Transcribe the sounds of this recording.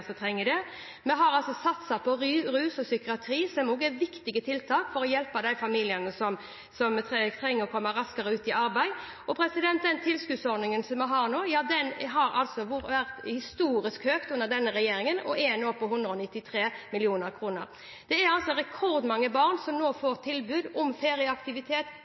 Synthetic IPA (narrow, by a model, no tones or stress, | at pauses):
sɔt̪ʰɾɛŋːəd̪ɛ | mɛɦɑɾɑlsɔsɑt̪sɑpʰɔɾʉːsɔsʏkɪɑt̪ʰɾiːsɔmoːɡɛʋɪkt̪ɪɡət̪ʰɪlt̪ʰɑːkfɔɾɔjɛlpɑd̪æɪfɑmiːlɪənəsɔm | sɔmt̪t̪ʰɾɛŋːəɾɔkʰɔmːəɾɑskəɾəʉːt̪ɪʔɑɾbæɪ | ɔpʰɾɛsɪd̪ɛnt̪̚d̪ɛnt̪ʰɪlskʉd̪sɔɾd̪nɪŋənsɔmːɛɦɑːɾnoːjɑːd̪ɛnɦɑɾɑ̰lsɔʋʊʋæʁt̪hɪst̪uːɾɪskhøːkt̪ʉnːəʁd̪ɛnːəɾɛjeːɾɪŋənɔ̰ʔɛnoːpɔhʊnd̪ɾəɔnɪt̪ːɪt̪ʰɾeːmɪlɪuːnəɾkʰɾuːnəɾ | d̪̥ɛæɾɑlt̪sɔɾɛkʰɔɾd̪mɑŋːəbɑʁnsɔmnoːfoːɾt̪ʰɪlbʉːd̪ɔmfeːɾɪəɑkt̪ɪʋɪt̪ʰeːt̪